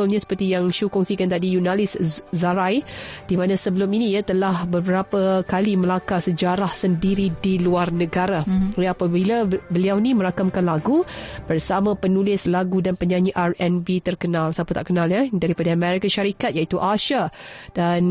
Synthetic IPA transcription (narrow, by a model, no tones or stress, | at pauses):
ʊlɲasə̥pərt̪ijaŋʃukɔŋsikant̪adijunalɪszaɾajd̥imãnãsəbəlʊminijat̪əlahbəbəɾapəkaliməlakasəd͡ʒaɾahsəndiɾidiluarnə̃ɡaɾaapabilabəliawnimə̃ɾakamkanlaɡub̥ərsamãpənulɪslaɡudanpəɲaɲiʔarɛnbit̪ərkənãlsaput̪aʔkənaljadaɾipadaːmɛɾikaʃaɾikat̪̚jait̪uʔaʃadan